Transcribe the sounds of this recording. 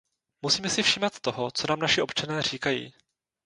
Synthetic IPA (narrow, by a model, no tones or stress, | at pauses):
musiːmɛsɪfʃiːmat̪ːoɦo̞t͡sonaːmnaʃɪʔo̞pt͡ʃanɛːr̝iːkajḭː